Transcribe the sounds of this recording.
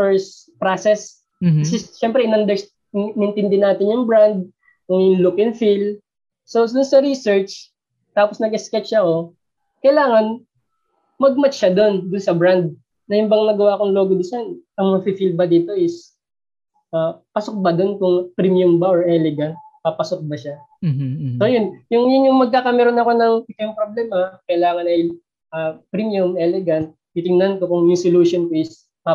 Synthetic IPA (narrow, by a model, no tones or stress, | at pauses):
pɛɹs | pɾaːsɛs | kɐsɛʃɛmpɾɛʔɪnɐnd̪ɛɹ | ɪnʔɪnt̪ɪnd̪ɛnaːt̪ɪnjʊŋbɾand̪̚ | kʊŋɪnlʊkɪŋfil | sod̪ʊnsɐɾisɛɹt͡ʃ | t̪aːposnɐɡɛskɛt͡ʃːɐko̞ | kɐjlaːŋɐn | mɐɡ̚mɐt͡ʃʃɐd̪o̞nd̪ʊnsɐbɾand̪̚ | nɐjʊmbɐŋnɐɡɐwaːkoŋlo̞ːɡod̪ɪsɐnʔɐŋmɐŋapifilbɐd̪iːt̪o̞ɪs | ʔapɐsok̚bɐd̪o̞nkʊŋpɾimjʊmbɐʔoɹʔɛlɛɡɐnt̪̚pɐpɐsok̚bɐʃa | so̞jʊnjʊŋjʊnjʊŋmɐɡ̚kakɐmɛɾonɐko̞nɐŋɪt̪ojʊŋpɾoblɛːmɐkɐjlaːŋɐnɐj | ʔapɾimjʊmʔɛlɛɡɐnt̪̚ | it̪ɪŋnɐnko̞kʊŋjʊŋsɪluʃonkoɪs | ma